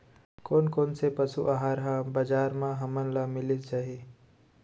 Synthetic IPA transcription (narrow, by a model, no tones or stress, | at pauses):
koːnkoːnsepəsuʔaɦaːɾɦãbəd͡ʒaːɾmãɦɐmənlamɪlɪt̪d͡ʒaːɦi